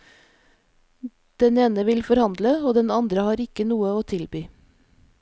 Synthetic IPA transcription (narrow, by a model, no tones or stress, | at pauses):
d̪̥ɛneːnəʋɪlfɔɾhɑnd̪ləoːd̪ɛnɑnd̪ɾəhɑːɾɪkənuːəoːt̪ʰɪlbyː